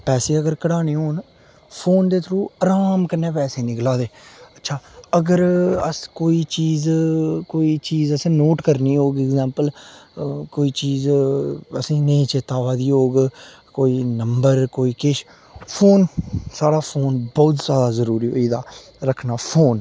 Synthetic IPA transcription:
pɛːseːəɡəɾkəɽaːneːɦoːn | pʰoːnd̪eːt̪ʰɾuːəːɾaːmkənːeːpɛːseːnɪklaːd̪eːətːʃʰaːəɡəɾəskoːiːt͡ʃiːzkoːiːt͡ʃiːzəsĩːnoːʈkəɾniːɦoːɡɛɡzɛ̃ːmpəl | koːiːt͡ʃiːz | əsĩːnẽːt͡ʃeːt̪aːʋaːd̪iːɦoːɡ | koːiːnəmbəɾkoːiːkeʃ | pʰoːnsaːɽaːpʰoːnbɔːt̪zjaːd̪aːzəɾuːɾiːɦo̰ːiːd̪a̰ː | ɾəkʰnaːpʰoːn

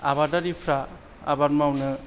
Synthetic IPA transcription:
aβadaɾipʰɾa | a̰baɾmawnɯ

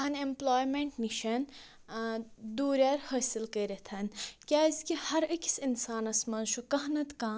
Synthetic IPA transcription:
ɐnemploːjmẽɳʈmiʃɐn | d̪uːɾjaːɾhɐːsilkəɾet̪ʰɐnkʲaːiskihɐɾɐkʲʰsinsaːnɐsmɐnʃʰukɐɦnɐt̪kãː

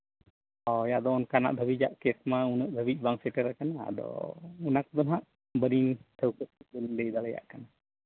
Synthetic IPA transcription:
ɔjaʔd̪ɔːnkana̰ʔd̪ʱəbid͡ʒa̰ʔkɛsmaunəʔd̪ʱəbic̚ˀbaŋsɛʈəɾɛkana̰d̪ɔ̰unak̚d̪ɔnɦaʔ | bəɾiŋt̪ʰəwkət̚ɛbəɾiŋd̪əjd̪alɛja̰ʔkana

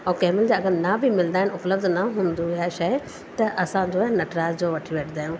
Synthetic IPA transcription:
ɔːkɛːmɪld͡ʑaɐɡəɾnabʱimɪl̃nd̪aːɪnʊpləbd̪naɦũːnd̪uiaʃɐɪ | t̪ɐʔɐsãd͡ʑoːnɐʈɾaːzd͡ʑoːʋɐʈʰiʋeʈʰd̪aːjũ

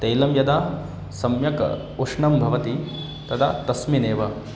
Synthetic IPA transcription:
t̪ɐjlɐmjɐd̪a | sɐmjɐkɐ̰ | uʂɳɐmbʱɐʋɐt̪i | t̪ɐt̪ʰa̰t̪ɐsmineːʋɐ

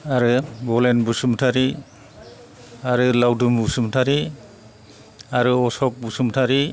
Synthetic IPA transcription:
aɾɯbɔlenbusumtʰaɾi | aɾɯlawdumbusumtʰaɾi | aɾɯɔsɔk̚busumtʰaɾi

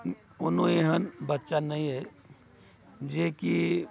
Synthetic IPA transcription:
ʊnɦõeɦənbətːʃanəɦĩɦɛ | d͡ʒeki

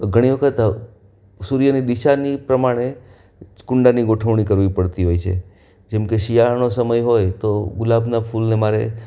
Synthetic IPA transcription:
ɡʱəɽ̃iʋəkʰət̪ | suɾjənid̪iʃanipɾəmaɽ̃e | kʊɳɖaniɡoʈʰəʋɳ̃ikəɾʋipəɽt̪iɦojt͡ʃʰḛ | d͡ʒɛmkeʃijaɾnosəməjɦojt̪oɡʊlabnapʰulnemaɾḛ

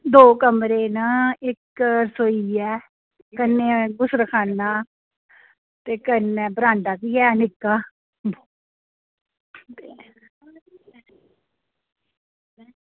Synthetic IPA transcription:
d̪oːkəmɾeːnaːɪksoiːɛː | kənːẽːɡʊsɾəkʰaːnːaː | t̪eːkənɛːbɾãːɳɖ̪aːkiːɛːnɪkːaː | t̪e

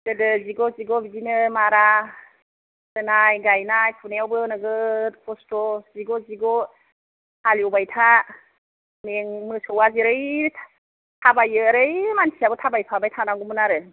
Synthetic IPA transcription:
kɯdɯziɡɔziɡɔbizinɯmaɾa | sɯnajɡajnajpʰuneawbɯnɯɡɯpʰɔstɔz̥iɡɔziɡɔ | aliubajtʰa | meŋmɯsowaziɾɯj | tʰabajɯɾɯjmansiabɯtʰabajpʰabajtʰanaɡumɯnaɾɯ

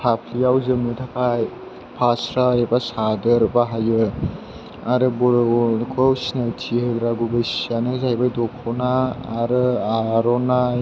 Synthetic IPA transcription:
pʰapʰlijawzɯmnitʰakʰaj | pʰasɾaɾebasadɯɾbaɦajɯ | aɾɯbɔɾkʰɔwsinajtʰiheɡɾaɡubajsianɯzajbajdɔkʰɔnaːɾɯaɾɔnaj

